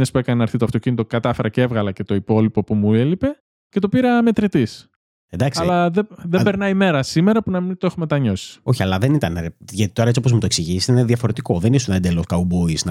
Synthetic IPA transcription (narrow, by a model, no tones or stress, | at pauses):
espue̞kɐnenɐɾθit̪oɐft̪o̞cinit̪okɐt̪ɐfe̞ɾʔɐceevɣɐlɐce̞t̪oipo̞lipo̞pumuelipe̞ | ce̞t̪opiɾɐme̞t̪ɾit̪is | ed̪ɐksɐlɐðeðebe̞ɾnɐime̞ɾɐsime̞ɾɐpunɐmint̪oexume̞t̪ɐɲo̞si̥o̞çiɐlɐðe̞nit̪ɐneʝɐt̪i̥t̪o̞ɾɐt͡siopo̞zmut̪o̞eksiʝissit̪ineðjɐfo̞ɾe̞t̪iko̞ðenisunɐend̪e̞lo̞skɐubo̞isnɐ